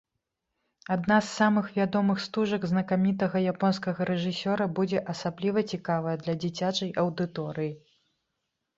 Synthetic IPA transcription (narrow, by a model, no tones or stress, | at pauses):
ad̪nazːamɨxvʲad̪ɔmɨxst̪uʐɐɡznɐkamʲit̪ɐɣɐjapɔns̬kɐɣɐɾɛʐɨsʲɔɾɐbud͡zʲɛʔɐsablʲivɐt͡sʲikavɐjɛd̪lʲɐd͡zʲit͡sʲat͡ʂɐjʔɐwd̪ɨt̪ɔɾɨji